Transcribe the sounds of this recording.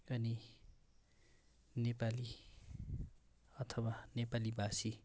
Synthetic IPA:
ʌni | nepali | ʌt̪ʰʌwanepalibasi

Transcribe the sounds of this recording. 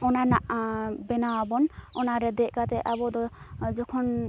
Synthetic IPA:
ɔnanaʔbɛnawabɔnɔnaɾɛd̪ɛʔkat̪ɛʔabɔd̪ɔ | d͡ʒɔkʰɔn

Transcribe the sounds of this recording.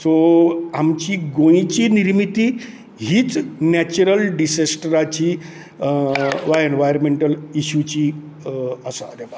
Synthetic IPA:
soamt͡ɕiːɡojĩt͡ɕiːniɾmit̪iː | ɦiːt͡snæt͡ɕuɾəlɖisesʈɾat͡ɕiː | ʋaenʋajɾmeɳʈəliɕut͡ɕiː | əsa̰ɾeʋa

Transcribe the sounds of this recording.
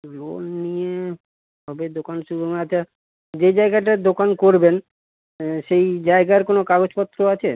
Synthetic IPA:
lo̰lnie | bɔbed̪okanʃubʱomaat͡ɕʰa | d͡ʑed͡ʑaeɡaʈad̪okankoɾben | ʃejd͡ʑaeɡaeɾkonokaɡod͡ʑpɔt̪ːɾoat͡ɕʰe

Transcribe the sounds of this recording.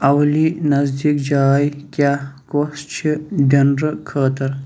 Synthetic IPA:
ɐwlinɐzd̪iːkd͡ʒaːjkʲjaːkost͡ʃʰid̪ʲɐnɾəkʰəːt̪ɐɾ

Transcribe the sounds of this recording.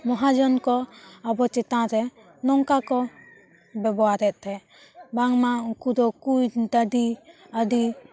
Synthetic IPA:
mɔɦad͡ʒɔnkɔabɔt͡ʃɛt̪ãɾɛ | nɔŋkakɔ | bɛbɔaɾɛt̪̚ˀt̪ʰɛ | baŋmakud̪ɔkujd̪ad̪i | ad̪i

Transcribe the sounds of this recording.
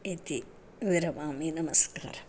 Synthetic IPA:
it̪i | ʋiɾɐmaːminɐmɐska̰ːɾ

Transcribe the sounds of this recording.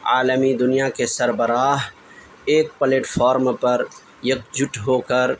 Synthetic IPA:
aːləmid̪ʊnijakesɐɾbəɾaːɦ | eːk̚pəleːʈfʰɔːɾmpɐɾ | jɐk̚d͡ʒʊʈɦoːkəɾ

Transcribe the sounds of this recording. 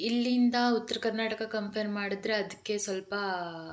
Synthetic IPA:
ilːind̪ɐut̪ːɐɾɐkɐɾnaːʈɐkɐkɐmpʰɐɾmːaːɽid̪ɾe̞ɐd̪ɐkːesʋɐlpɐ

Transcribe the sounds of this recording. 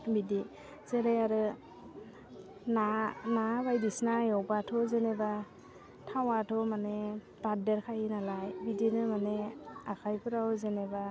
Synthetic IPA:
bidi | zeɾajaɾɯ | nanabajdisnajɔwbatʰɔzeneba | tʰawatʰɔmane | b̥adeɾkʰajnalajbidinɯmaneakʰajpʰɯɾawzeneba

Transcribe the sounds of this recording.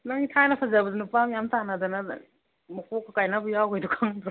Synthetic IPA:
naŋitʰajnɐpʰɐzabɐdunupamjamtanɐdɐnɐ | mɐkʰokʰːakajnabujawɡajdukʰaŋd

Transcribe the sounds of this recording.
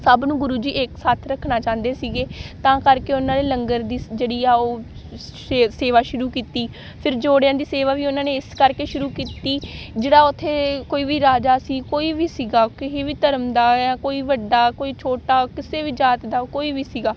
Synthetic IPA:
səbnũːɡʊɾuːd͡ʒiːʔeːksaːt̪ʰɾəkʰnaːt͡ʃãːnd̪eːsiːɡeːt̪ãːkəɾkeːʊnãːleːləŋɡəɾd̪iːd͡ʒeːɽiːaːoː | eseːʋaːʃʊɾuːkiːt̪iː | pʰɪɾd͡ʒoːɽãːd̪iːseːʋaːʋiːʊnãːneːɪskəɾkeːʃʊɾuːkiːt̪iːd͡ʒeːɽaːʊt̪ʰːeːkoːiːʋiːɾaːd͡ʒaːsiːkoːiːʋiːsiːɡaːkɪɦeːʋiːt̪əɾəmd̪aːãːkoːiːʋəɖːaːkoːiːt͡ʃʰoːʈaːkɪseːʋiːd͡ʒaːt̪d̪aːkoːiːʋiːsiːɡaː

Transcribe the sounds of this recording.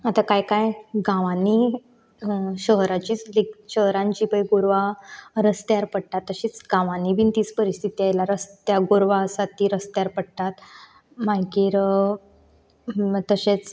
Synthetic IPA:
at̪akajkajɡãʋani | ɕəɦɾat͡ɕiːt͡slekɕəɦɾãɲt͡ɕibəjɡoɾʋaɾəst̪jaɾpəɽt̪at̪ːəɕiːt͡sɡãʋanibint̪iːt͡spəɾist̪ʰit̪iajlaɾəst̪jaɡoɾʋasat̪iːɾəst̪jaɾpəɽt̪at̪ | majkiːɾ | t̪əɕet͡s

